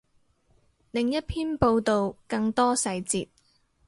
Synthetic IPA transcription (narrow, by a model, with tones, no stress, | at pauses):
lɪ˨ŋjɐ˥t̚pʰiː˥npo˧wt̪o˨wkɐ˧ŋt̪ɔː˥sɐ˧jt͡sḭː˨t̚